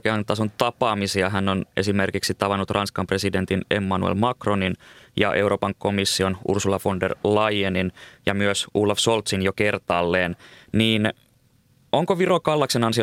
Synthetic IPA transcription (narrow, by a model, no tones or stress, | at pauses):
keɑnt̪ːɑs̬unt̪ɑpɑːmisiɑɦænːonʔe̞̰sime̞rkiksit̪ɑʋɑnːut̪rɑnskɑmpre̞side̞nt̪inḛmːɑnṵḛlmɑkro̞ninjɑ̰ʔe̞uwɾʔo̞ːpɑŋko̞misːionṵrsulɑfo̞ndḛrlɑjeninjɑmyøsuːlːɑfsolt̪sinjokert̪ɑːlːeːnniːn | oŋkoʋirokɑlːɑksenɑnsi